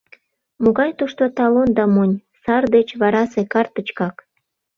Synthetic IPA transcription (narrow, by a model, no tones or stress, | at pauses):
moɣɑjt̪uʃt̪ot̪ɑlond̪ɑmonʲsɑrd̪et͡ɕβɑɾɑsekɑrt̪ə̆t͡ɕkɑk